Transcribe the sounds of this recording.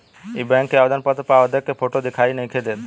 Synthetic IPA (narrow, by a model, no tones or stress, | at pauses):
ebɛŋkːeabd̪anpat̪ːopaoad̪ekːefʰoʈod̪ekʰajnejkʰed̪et̪